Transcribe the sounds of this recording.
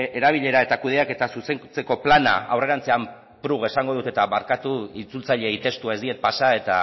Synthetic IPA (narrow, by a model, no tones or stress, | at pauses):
e̞ɾaβ̞iʎe̞ɾae̞t̪akuð̞e̞ake̞t̪asuse̞ŋt͡se̞ko̞plana̰a̰wre̞ɾant͡se̞am | pɾuɣesaŋɡo̞ð̞ut̪e̞t̪aβaɾkat̪uit͡sult͡saʎe̞it̪e̞st̪uae̞zd̪ie̞t̪̚pasae̞t̪a̰